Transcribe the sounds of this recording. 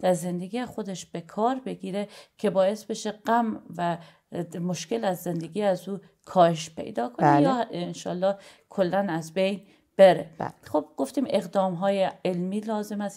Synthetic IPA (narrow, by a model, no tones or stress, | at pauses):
d̪̥æɾze̞nd̪eɡiːjexo̞d̪eʃb̥e̞kʰɒːɾbe̞ɡiːɾecʰe̞bɒːjesbe̞ʃeɢæmvæ | moʃke̞læzːe̞nd̪eɡiːæzuː | kʰɒːheʃpʰḛjd̪ɒːkʰonejɒːenʃɒ̰ːlːɒːh | kʰolːænæzbejn | b̥eɾḛxob̥ɡ̥o̞ft̪iːmeɣd̪ɒːmɦɒːjeelmiːlɒːzemæs